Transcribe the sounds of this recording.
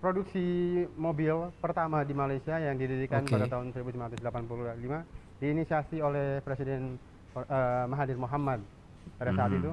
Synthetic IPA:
pɾoduksimobilpərt̪amadimalajsiajaŋdididikanpadat̪aɦʊnsəɾibusimaɾat̪usdlapanpululima | diːnisiasiolɛhpɾesidɛn | əmaɦadɪrmoɦamad̪̚ | padasaat̪it̪u

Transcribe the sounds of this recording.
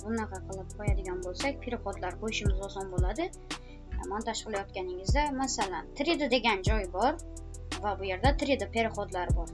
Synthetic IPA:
bʊnɑqʰɑqʰɨlˠɪp̚qʰɒjad̪ɪɡʲanbolˠsakʲpʰeɾɪχɒd̪laɾqʰojɪʃɪmɪzɒsɒnbolad̪ɪ̰ | mant̪ʰaʃɨlˠajɒt̪kʲanɪŋɪzd̪amasalant̪ʰɪɾɪd̪ɪd̪e̞ɡʲand͡ʒɒjbɒɾ | vabʊje̞ɾd̪at̪ʰɪɾɪd̪ɪpʰe̞ɾɪχɒd̪laɾbɒɾ

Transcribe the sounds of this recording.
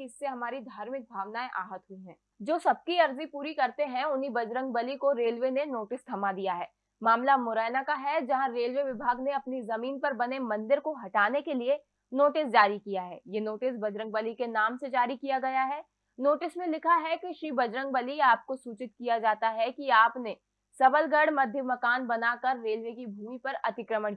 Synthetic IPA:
ɪsːeɦɐmaːɾid̪ʱaːɾmɪk̚bʱaːʋnaːẽʔa̰ːɦət̪ɦʊiɦɛ̰̃ː | d͡ʒoːsɐb̚kiɐɾzipuːɾikɐɾt̪eɦɛ̃ʊnɦibɐd͡ʒɾə̃ŋɡ̚bɐlikoɾeːlʋenenoːʈɪst̪ʰɐmad̪ijaɦɛː | maːmlamʊɾɛːnakaɦɛd͡ʒɐɦãɾeːlʋeʋɪbʱaːɡneɐpnizɐmiːnpɐɾbɐnemɐ̃nd̪ɪɾkoɦɐʈaːnekelie | noːʈɪsd͡ʒaːɾikijaɦɛ̰ːjenoːʈɪs̬bɐd͡ʒɾə̃ŋɡ̚bəlikenaːmsed͡ʒaːɾikijaɡɐjaɦɛː | noːʈɪsmẽlɪkʰaɦɛkiʃɾiːbɐd͡ʒɾə̃ŋɡ̚bɐliaːp̚kosuːt͡ʃɪt̪̚kijad͡ʒaːt̪aɦɛkiaːpne | sɐbəlɡəɽmɐd̪ʱjəmɐkaːnbɐnakɐɾːeːlʋekibʱuːmipɐɾɐt̪ɪkɾəmə

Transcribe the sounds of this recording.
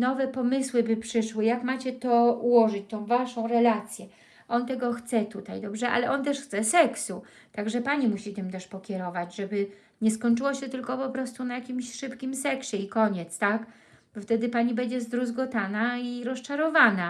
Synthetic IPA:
nɔvɛpɔmɘswɘbɘpʂɘʂwɘjakmat͡ɕɛt̪ɔuwɔʐɘt͡ɕt̪ɔ̃w̃vaʂɔ̃w̃ɾɛlat̪sʲjɛ | ʔɔnt̪ɛɡɔxt̪sɛt̪ut̪ajd̪ɔbʐɛʔa̰lɛʔɔnt̪ɛʂxt̪sɛsɛksu | t̪aɡʐɛpaɲimuɕit̪ɘmt̪ɛʂpɔkʲɛɾɔvad͡ʑʐɛbɘ | ɲɛskɔɲʲt͡ʂɘwɔɕɛt̪ɘlkɔpɔpɾɔst̪unajakʲimɕʂɘpkʲimsɛkɕɛikɔɲɛt̪st̪ak | bɔft̪ɛd̪ɘpaɲibɛɲd͡ʑɛzd̪ɾuzɡɔt̪anaiɾɔst͡ʂaɾɔvana

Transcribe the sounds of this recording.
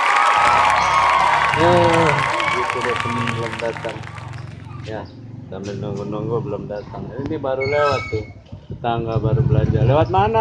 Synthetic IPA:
ə | ɡit̪udat̪əmnbəlomdat̪aŋ | ja | sambɪlnuŋɡunuŋɡubəlomdat̪aŋaninibaɾulewat̪ːɪ | tət̪aŋɡabaɾubəlaɲd͡ʒalewat̪̚mana

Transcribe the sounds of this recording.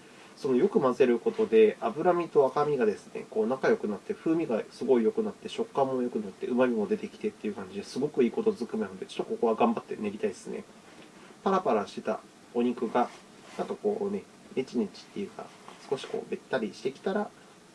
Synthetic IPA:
so̞no̞jo̞kɯ̟maze̞ɾɯ̟ko̞t̪o̞d̪e̞abɯ̟ɾamʲit̪o̞akamʲiɡad̪e̞sɨ̥nḛko̞ːnakajo̞kɯ̟nat̪ːe̞ɸɯ̟ːmʲiɡasɨɡo̞ijo̞kɯ̟nat̪ːe̞ɕo̞kːãmːo̞jo̞kɯ̟nat̪ːe̞ʔɯ̟mamʲimo̞d̪e̞t̪e̞kʲi̥t̪e̞t̪ːe̞jɯ̟kãɲ̟d͡ʑid̪esɨɡo̞kɯ̟iːko̞t̪o̞zɨkɯ̟mʲenanod̪et͡ɕot̪ːoko̞ko̞β̞aɡãmbat̪ːe̞̰ne̞ɾʲit̪aid̪esɨne̞̰ | paɾapaɾaɕi̥t̪et̪a̰ | o̞ɲ̟ikɯ̟ɡa | nãŋkako̞ːne̞ | net͡ɕiɲet͡ɕi̥t̪ːe̞jɯ̟ːka̰ | sɨ̥ko̞ɕi̥ko̞̰ːbe̞t̪ːaɾʲiɕi̥t̪e̞kʲi̥t̪aɾa

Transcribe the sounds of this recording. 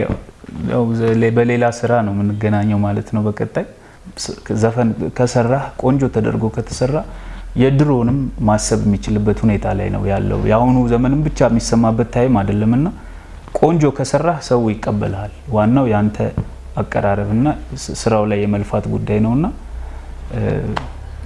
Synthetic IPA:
a̰ja̰wlebəle̞lasɨɾanəwmɨnːɨɡənaɲːəwmalət̪nəwbəkʼət̪ʼːaj | zəfənkʰəsərːahkʼo̞nd͡ʒo̞t̪ʰəd̪ə̰ɾɡo̞kʰət̪ʰə̥sərːahjɛd̪ɨɾo̞nɨmːasːəβjɛmːit͡ʃɪlɨbːət̪hune̞t̪ʰala̰jnə̰wjalːə̰wṵjahunuzəmənɨmbɨt͡ʃːamːisəmːabːət̪ʰːajɛmad̪əlːəmɨnːa | kʼo̞nd͡ʒo̞kʰəsərːahsəwujɪkʼːəbːə̰lalwanːawjant̪ʰə | akʼːə̰ɾaɾəβɨnːasɨɾawlajːɛməlfat̪ɡud̪ːajnəwɨnːa

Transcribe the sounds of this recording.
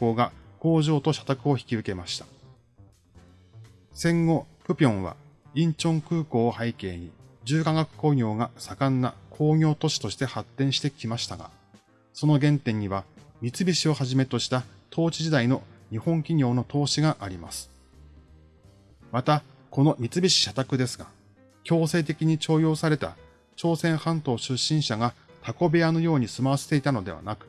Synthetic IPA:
o̞ːɡako̞ːʑo̞ːt̪o̞ɕḁt̪akɯ̟o̞çi̥kʲizɨke̞maɕi̥t̪ḁ | sẽ̞ŋɡo̞pɯ̟pʲiõ̞ɰ̃βa̰ĩɲ̟t͡ɕõ̞ŋkɯ̟ːko̞ːhaike̞̰ːɲ̟id͡ʑɨːkãŋɡakɯ̟̥ko̞ːɲʲo̞ːɡasakãnːa̰kʰo̞ːɲʲo̞ːt̪o̞ɕi̥t̪o̞ɕi̥t̪e̞hat̪ːẽ̞ɰ̃ɕi̥t̪e̞kʲimaɕi̥t̪aɡa̰ | so̞no̞ɡẽ̞nt̪ẽ̞ɲ̟ːiβamʲit͡sɨbʲiɕio̞haʑime̞t̪o̞ɕi̥t̪at̪ʰo̞ːt͡ɕiʑid̪aino̞ɲ̟ihõ̞ŋkʲiɲ̟ʲo̞ːno̞t̪o̞ːɕiɡaʔaɾʲima̰sɨ̥ | mat̪a | ko̞no̞mʲit͡sɨbʲiɕi̥ɕat̪akɯ̟d̪e̞sɨɡa̰ | kʲo̞ːse̞ːt̪̬e̞kʲiɲ̟it͡ɕo̞ːjo̞ːsaɾe̞t̪a̰ | t͡ɕo̞ːsẽ̞ɰ̃hãnt̪o̞ːɕɨɕːĩɰ̃ɕaɡat̪ako̞beano̞jo̞ːɲ̟isɨmaβ̞aset̪e̞it̪ano̞d̪e̞βa̰nakɯ̥

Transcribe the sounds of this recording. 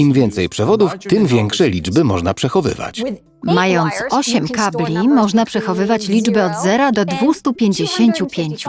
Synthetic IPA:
imvʲjɛnt̪sɛjpʂɛvɔd̪uft̪ɘmvʲjɛŋkʂɛjlʲid͡ʐbɘmɔʐnapʂɛxɔvɘ̰va̰t͡ɕ | majɔnt̪sɔɕɛmkablʲimɔʐnapʂɛxɔvɘvat͡ɕlʲid͡ʐbɛɔd̪zɛɾad̪ɔd̪vust̪upʲjeɲd͡ʑeɕeɲt͡ɕupʲjeɲt͡ɕu̥

